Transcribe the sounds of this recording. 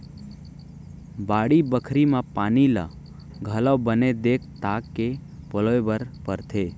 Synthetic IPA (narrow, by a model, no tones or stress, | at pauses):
baːɽibəkʰɾimãpaːnila̰ | ɡʱələwbəned̪eːk̚ʰt̪aːkːepəloebəɾpəɾt̪ʰeː